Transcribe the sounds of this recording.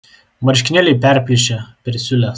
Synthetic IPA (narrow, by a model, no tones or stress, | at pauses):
mɐɾʲʃʲkʲɪnʲɛlʲɛɪpʲæɾʲpʲlʲɪʃʲɛpʲɛɾʲsʲʊlʲɛs